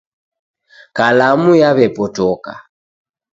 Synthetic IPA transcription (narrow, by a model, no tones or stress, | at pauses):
kalamujaβɛpɔtɔka̰